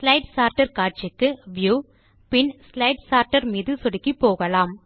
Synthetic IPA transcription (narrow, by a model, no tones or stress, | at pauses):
slɐɪʈsaːɾʈɐɾkaːʈ̚t͡ʃɪkːɯʋjuː | pɪnslɐɪʈsaːɾʈɐɾmiːðɯsɔɽɪkːipːoːɣɐlaːm